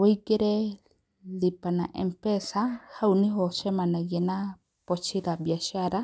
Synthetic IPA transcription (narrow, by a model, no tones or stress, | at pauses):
wejkeɾe | lipanaʔḛmpesahawnĩɦosemãnãjena | pot͡ʃʰiɾabjaʃaɾa